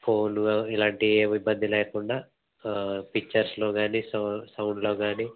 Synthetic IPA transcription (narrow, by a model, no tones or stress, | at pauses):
pʰoːnɡailaːɳʈiʋibːɐnd̪ʱileːkuɳɖaː | pik̚t͡ʃɐɾslo̞ːɡaːnissɐwɳɖlo̞ːɡaːniː